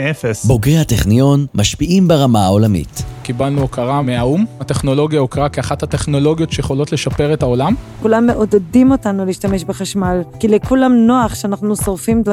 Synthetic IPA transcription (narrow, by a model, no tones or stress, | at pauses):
efesbo̞ɡehateχnijo̞nmaʃpiʔimbeʁamaao̞lamḭtkibalnuokaʁameaumate̞χno̞lo̞ɡjaokaʁakeaχathate̞χno̞lo̞ɡijo̞tʃejeχo̞lo̞tleʃapeʁethao̞lamkulamːe̞ʔod̪edimo̞tanuliːʃtame̞ʃbeχaʃmalkilekulamno̞aχʃeanaχnusoʁfim